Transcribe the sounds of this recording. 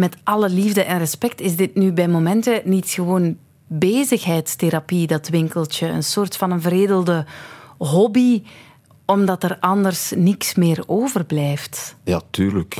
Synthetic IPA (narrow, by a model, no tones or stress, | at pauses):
mɛtʔɑləlivdəʔɛnrəspɛk̚tɪzdɪtnybɛjmomɛntənitxəʋoːn | beːzəxɦɛjtsteɾapidɑtʋɪŋkəlˠtəə̰nsoːrtfɑnənvəɾeːdəlˠdəɦɔbi | ɔmdɑtərɑndərsniksmɪːroːvərblɛjftjaːtyːɾlək